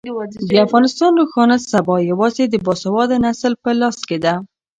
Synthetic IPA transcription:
d̪əafɣɑnɪst̪ɑnɾoxɑnasabɑjawɑzed̪əbɑsawɑd̪anasəlpəlɑsked̪a

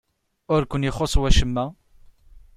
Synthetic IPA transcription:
ʊɾkʷːənjɪχosˤwæʃəmːæ

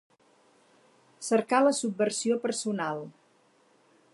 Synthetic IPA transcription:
səɾkaləsub̚ːəɾsiopəɾsunalˠ

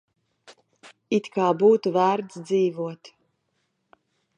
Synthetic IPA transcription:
it̪kaːbuːt̪uvæːɾt̪sd̪ziːvuɔt̪

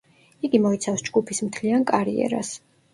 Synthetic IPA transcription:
iɡimɔit̪sʰafsd͡ʒɡupʰismt̪ʰliankʼaɾḭɛ̰ɾa̰s

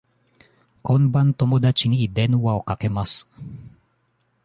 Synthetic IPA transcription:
konbant̪omod̪at͡ʃinid̪ɛnwaokakemas

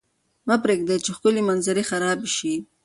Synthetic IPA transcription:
mapɾeɡ̚d̪et͡ʃexkʊlimanzɪɾixaɾɑːbiʃi

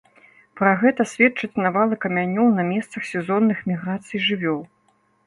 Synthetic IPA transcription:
pɾaɣɛt̪ɐsʲvʲɛt̚t͡ʂɐt͡sʲnavalˠɨkɐmʲanʲɔwnɐmʲɛst̪sɐxsʲɛzɔnːɨxmʲiɣɾat̪sɨjʐɨvʲɔlˠ

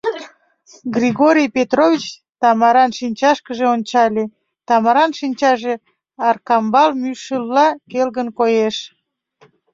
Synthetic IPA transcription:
ɡrʲiɣoɾʲijpʲet̪rovʲit͡ɕ | t̪ɑmɑɾɑnʃinʲt͡ɕɑʃkəʒeonʲt͡ɕɑlʲe | t̪ɑmɑɾɑnʃinʲt͡ɕɑʒe | ɑrkɑmbɑlmyʃəlːɑkelɣənkojeʃ

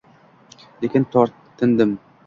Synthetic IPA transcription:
lekʲɪnt̪ʰɒɾʰːɪ̆nd̪ɪm

